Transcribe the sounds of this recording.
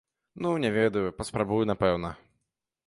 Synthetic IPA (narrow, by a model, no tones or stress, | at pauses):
nunʲɛvʲɛd̪ɐjupɐspɾabujunapɛwnɐ